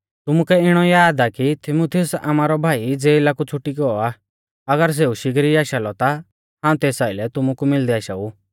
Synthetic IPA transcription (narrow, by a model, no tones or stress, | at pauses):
t̪ʊmukɛɪɽ̃ɔjaːd̪akit̪ʰɪmut̪ʰijʊsa̰maːɾɔbʱaːid͡zeːɪlakut͡sʰʊʈːikɔɔa | ɐɡəɾs̬eːuʃɪkɾiaːʃalɔt̪a | ɦãːũt̪eːsaːilɛt̪ʊmukumɪld̪iaːʃau